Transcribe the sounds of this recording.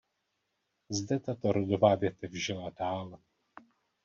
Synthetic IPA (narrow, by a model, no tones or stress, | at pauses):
zdɛt̪at̪oɾodovaːvjɛt̪ɛvʒɛladaːl